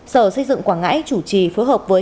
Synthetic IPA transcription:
səː˧˩sə˧jzɨ̰˧˨ŋkwaː˧˩nŋa̰ː˧˥jt͡ɕu˧˩t͡ɕi˨˩foː˨˦jɦəː˨˩p̚vəː˨˦

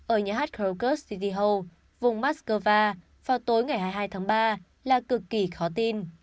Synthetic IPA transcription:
ʔəː˧˩ɲaː˧˩ɦaː˦˥t̚kːkə˦˥ssi˧t̪i˧ɦə˧w | vʊ˨˩ŋ͡mmaː˦˥t̚skəː˧vaː˧ | vaː˨˩wt̪o˨˦jŋa˨˩jɦaː˧jɦaː˧jt̪ʰaː˨˦ŋɓaː˧ | laː˨˩kɨ˨˩kːi˧˩xɔ˨˦t̪i˧n

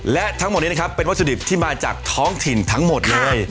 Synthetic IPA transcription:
lɛ˦˥ʔt̪ʰa˦˥ŋmo˨˩t̪̚niː˦˥˦a˥kʰa˥pːe˧nwt̪sʰu˧di˨˩p̚t̪ʰiː˥˩maː˧t͡ɕa̰ː˨˩k̚t̪ʰɔː˦˥ŋt̪ʰi˨˩nt̪ʰa˦˥ŋmo˨˩t̪̚lɤː˧j

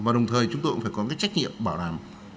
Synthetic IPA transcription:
vaː˨˩ɗə˨˩wŋ͡mt̪ʰəː˨˩jt͡ɕʊ˨˦ŋ͡mt̪o˧kfaː˧˩kɔ˨˦kaː˦˥j̚t͡ɕa˦˥k̟̚ŋḭ˧˨əmɓaː˧˩wɗaː˨˩m

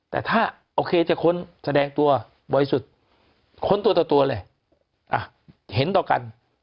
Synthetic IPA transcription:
t̪ɛ̰ː˨˩t̪ʰaː˥˩ | ʔoː˧kʰeː˧t͡ɕa˨˩kʰo˧˥˨nsa˧dɛː˧ŋt̪u˧ɐ | bɔː˨˩ɾi˧su˨˩t̪̚ | kʰo˧˥nt̪u˧t̪ɔː˨˩t̪u˧ɐ˧lɤː˧˩ | ʔa˧˩ | he˨˦nt̪ɔː˨˩ka˧n

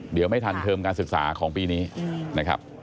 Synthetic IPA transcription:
di˨˩˦wma˥˩jt̪ʰa˧nt̪ʰɤː˧mkaː˧nsɯ˨˩k̚sa̰ː˩˦kʰɔː˩˦ŋpiː˧niː˦˥na˦˥kʰɾa̰˦˥p̚

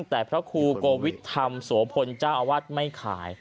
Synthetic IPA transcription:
ŋt̪ɛː˨˩pʰɾa˦˥kʰuː˧koː˧wi˦˥t̪̚ʰːa˧msu˩˦pʰo˧nt͡ɕaː˥˩wʔa˧waː˥˩t̪̚ma˥˩jkʰa̰ː˩˦j

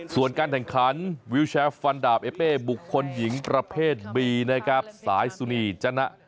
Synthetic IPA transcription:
su˨˩ənkaː˧nkʰɛ˨˩ŋkʰa˨˦˥nwi˦˥wt͡ɕʰɛː˧˥fa˧ndaː˨˩p̚ʔeː˦˥peː˥˩bu˨˩kʰːo˧nji˩˦ŋpɾa˧pʰeː˥˩t̪̚biː˧na˦˥kʰɾa˦˥p̚saː˩˦jsu˧niː˧˩t͡ɕa˧na˦˥ʔ

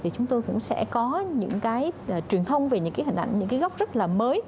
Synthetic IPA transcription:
t̪ʰi˨˩t͡ɕʊ˨˦ŋ͡mt̪o˧jkʊ̰˧˥ŋ͡msɛ̰˧˥kɔ˨˦ɲɨ̰˧˥ŋkaː˨˦jːt͡ɕwi˨˩ənt̪ʰə˧wŋ͡mve˨˩ɲɨ̰˧˥kaː˨˦jɦï˨˩n̟ʔa˧˩jŋ̟ɲɨ̰˧˥ŋkaː˨˦jɣa˦˥k͡p̚z̥ə˦˥t̚laː˨˩məː˨˦j

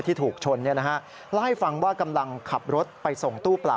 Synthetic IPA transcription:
t̪ʰiː˥˩t̪ʰuː˨˩k̚t͡ɕʰo˧nːi˥˩ɐna˦˥kʰa˦˥ʔ | laː˥˩jfa˧ŋwaː˥˩ka˧mla˧ŋkʰa˨˩p̚ɾo˦˥t̪̚pa˧jso˨˩ŋt̪uː˥˩pla̰ː˨˩

